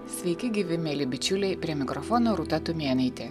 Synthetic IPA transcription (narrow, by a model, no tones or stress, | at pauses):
sʲʋʲɛɪkʲɪɡʲiːʋʲɪmʲeːlʲɪbʲɪt͡ʃʲʊlʲɛɪpʲɾʲiɛmʲɪkɾɔfɔnoːɾut̪ɐt̪umʲiɛnʲɐɪt̪ʲe